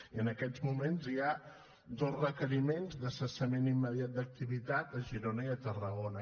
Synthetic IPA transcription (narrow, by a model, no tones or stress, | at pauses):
iənəkɛd͡zmumenzia | d̪ozrəkəɾimenzd̪əsəsəmenimːəðjat̪̚d̪ək̚t̪iβ̞it̪at̪əʒiɾonəiət̪ərəɣonə